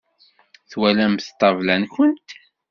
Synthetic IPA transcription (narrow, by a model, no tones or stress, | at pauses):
θwælæmθt̪ˤːɑvlænçʊnt̪